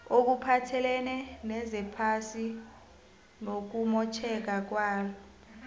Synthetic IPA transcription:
ok̬upʰatʰɛlɛnɛnɛzɛpʰasi | nok̬umɔt͡ʃʰɛk̬ak̬waːlɔ

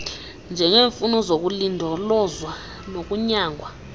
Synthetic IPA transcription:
nd͡ʒʱɛŋeːɱfunɔzok̬ulindʱɔlɔzwa | nok̬ʼuɲaːŋʱwa

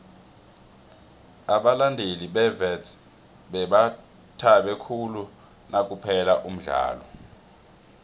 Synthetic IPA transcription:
aɓalandʱeliɓɛvɛt | ɓɛɓa | tʰaɓɛkʰulu | nak̬ʼupʰɛlaʔum̩ɮa̰ːlɔ

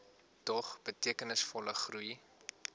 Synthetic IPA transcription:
tɔχb̥ətiəkənəsfɔləχruj

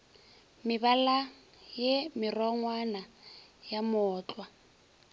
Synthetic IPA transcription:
mɪβala | jemɪrɔŋwanajamɔːt͡ɬʼwa

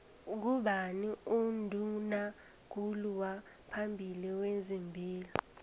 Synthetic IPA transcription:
k̬uɓaniundʱuna | ɡ̥̬ʱuluwa | pʰambʱiliwezimbʱiːlɔ

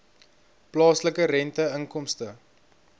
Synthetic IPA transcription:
plɑːsləkəɾɛntəəŋkɔmstə

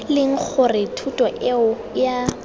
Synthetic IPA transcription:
lɪŋ̩k͡xʰʊrɪtʰutʼɔʔɪʊ | ja

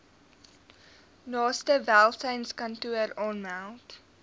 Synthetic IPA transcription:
nɑːstəvælˠsənskɐntuəɾɔːnmalt

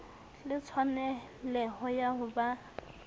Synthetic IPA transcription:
lɪt͡sʰwanɛ | lɛɦʊjaɦʊba

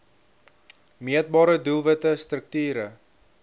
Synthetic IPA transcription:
miət̚bɑːɾədulˠvətəst̪rək̚tyːɾə

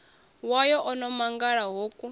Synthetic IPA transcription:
wajɔʔɔnɔmaŋɡaɺaɦokʼu

